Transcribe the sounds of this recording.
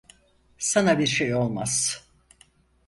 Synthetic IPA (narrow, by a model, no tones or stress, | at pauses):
sanabiɾʃejo̞lˠmaz